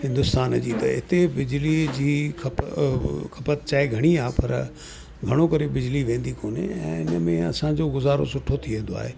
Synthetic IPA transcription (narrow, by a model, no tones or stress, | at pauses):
hɪ̃nd̪ʊst̪aːnd͡ʑiːt̪ɐ̰ɪt̪ebɪd͡ʑlid͡ʑiːkʰɐ | kʰɐpət̪t͡ɕaːeɡʱɐɽ̃iaːpɐ̰ɾ | ɡʱɐɽ̃okɐɾebɪd͡ʑliʋẽːn̆d̪ikoːnḛɛ̰̃ːɪnəmẽɐsãd͡ʑoːɡʊzaːɾo̰sʊʈʰot̪ʰiʋẽːn̆d̪oa̰ːɦeː